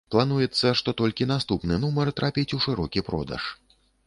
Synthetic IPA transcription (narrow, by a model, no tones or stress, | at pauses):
plˠan̪ujɛt̪sːɐʂt̪ɔt̪ɔlʲkʲinast̪upnɨnumɐrt̪ɾapʲit͡sʲuʂɨɾɔkʲipɾɔ̰d̪ɐ̰ʂ